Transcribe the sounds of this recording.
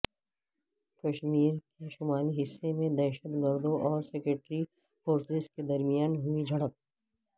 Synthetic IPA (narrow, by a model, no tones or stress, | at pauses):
kɐʃmiːɾkeʃʊmaːliɦɪsːemẽd̪ɛːʃət̪ɡəɾd̪õʔɔːɾsɛkɾeʈɾi | foːɾsɪzked̪ɐɾmijaːnɦʊid͡ʒʱɐɽək̚